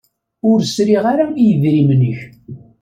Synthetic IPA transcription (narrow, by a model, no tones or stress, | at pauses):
ʊɾsɾiʁaɾaijəðɾimnəç